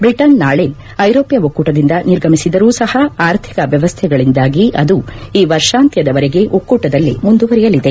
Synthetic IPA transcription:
bɾiʈɐnnaːɭen | ɐjɾoːpjɐokːuːʈɐd̪ind̪ɐniɾɡʱɐmisid̪ɐɾuːsɐhɐaːɾt̪ʰi̥kɐʋjɐʋɐst̪ʰɛɡɐɭind̪aːɡiʔɐd̪uiːʋɐɾʂaːnt̪jɐd̪ɐʋɐɾeɡe̞ʔokːuːʈɐd̪ɐlːḭmund̪uʋɐɾɛjɐlid̪e

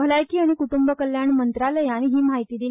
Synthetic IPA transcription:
bʱəlajkiːaɽ̃ikuʈumbəkəljaɳmənt̪ɾaləjanɦiːmaɦit̪iːd̪i

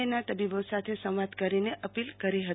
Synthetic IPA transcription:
enat̪əbibosat̪ʰesə̃wʋad̪kəɾineʔəpilkəɾiɦət̪

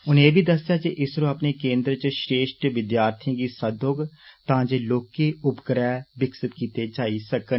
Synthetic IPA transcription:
ʊneːbʱiːd̪əsjaːkeʔɪsɾõːəpneːkẽːnd̪ɾət͡ʃʃɾeːʃʈʋɪd̪jaːɾt̪ʰijãːɡiːsəd̪oːɡt̪ãːd͡ʒeːloːkeːʊpkəɾɛːʋɪksɪt̪kiːt̪eːd͡ʒaːiːsəkən

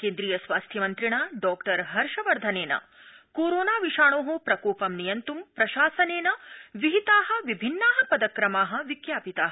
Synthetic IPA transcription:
keːnd̪ɾijɐsʋaːst̪ʰjɐmɐnt̪ɾiɳaːɖɔːkʈɐɾɦɐɾʂɐʋɐɾd̪ʱɐneːnɐ̰ | koːɾoːnaːʋiʃaːɳoːɦupɾɐkoːpɐmnijɐnt̪umpɾɐʃaːsɐneːnɐʋiɦit̪aːɦɐ̆ʋibʱinːaːɦɐpɐd̪ɐkɾɐmaːɦɐ̆ʋikjaːpit̪aːɦɐ

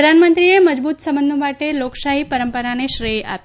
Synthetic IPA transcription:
d̪ʱanmənt̪ɾineməd͡ʒbuːt̪səmbənd̪ʱõmaʈeloːksaɦipəɾəmpəɾaneʃɾeja̰p

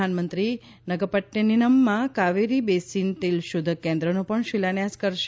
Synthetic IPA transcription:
anmənt̪ɾi | nəɡəpəʈjəninəmːãkaʋeɾibesint̪ilʃʊd̪ʱəkẽnd̪ɾənũpəɳʃilanjaskəɾʃ

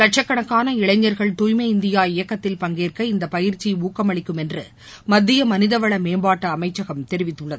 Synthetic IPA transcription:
kɐʈ̚ʂɐkːɐɳɐkːaːnɐɪɭɐɪɲːɐɾɣɐɭt̪uːjmɐɪnd̪ɪjaːɪjɐkːɐt̪ːɪlpɐŋɡeːrkɐɪnd̪ɐpɐjɪɾt͡ʃːiuːkːɐmɐɭɪkːɯmɛndrɯ | mɐd̪ːɪjɐmɐnɪðɐʋɐɭɐmeːmbaːʈːɐːmɐɪt͡ʃːɐɣɐmt̪ɛɾɪʋɪt̪ːɯɭːɐðɯ

